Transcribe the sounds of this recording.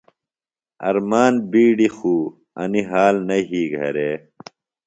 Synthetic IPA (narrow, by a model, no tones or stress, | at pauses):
ɐ̰ɾmaːnbiːɽixuː | ɐ̰niɦaːlnɐɦiːɡʱɐ̰ɾeː